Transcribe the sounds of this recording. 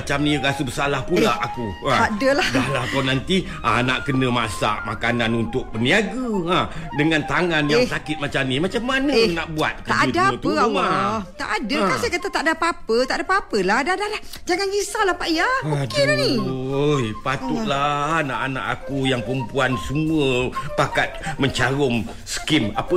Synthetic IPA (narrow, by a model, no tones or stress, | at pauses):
at͡ʃamniɾasəbəsalahpulaaku | aadəladahlahkawnant̪i | a̰na̰ʔkənəmasa̰ʔmakananunt̪ʊk̚pəniaɡəadəŋant̪aŋanjjaŋsakɪt̪̚mat͡ʃamnimat͡ʃamːanənaʔbuat̪̚kəaʔautaat̪əumat̪a̰ʔadəkasakat̪at̪aʔadapapət̪aʔdapapəlahdadalahd͡ʒaŋanisalahpaʔijad͡ʒiniojpat̪ulana̰ʔana̰ʔakujaŋpəɾəmpuansəmuəpakat̪̚məɲt͡ʃaɾʊŋ | sə̥kɪmapə